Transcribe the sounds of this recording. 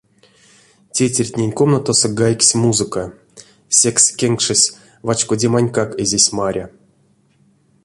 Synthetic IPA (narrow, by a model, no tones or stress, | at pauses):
tʲetʲerʲtʲnʲenʲko̞mnat̪osoɡajksʲmuzɨka | sʲekskʲeŋkʂɨsʲ | vat͡ʃkodʲemanʲkakezʲesʲmaɾʲa